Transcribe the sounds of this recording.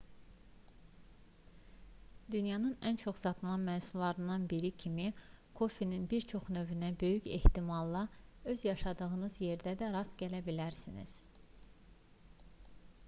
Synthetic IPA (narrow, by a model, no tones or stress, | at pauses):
d̪̥ynjɑnɯnænt͡ʃʰo̞χsɑt̪ʰɯlˠɑnmæːsulːˠɑɾɯnd̪ɑnbiɾicʰimikʰo̞fininbiɾt͡ʃʰo̞χnøvynæbø̞jyçe̞̰ht̪imɑlˠːɑø̞zjɑʃɑd̪ɯɣɯnɯzje̞ɾd̪æd̪æɾɑst̪ɟælæbilæɾsinḭz̥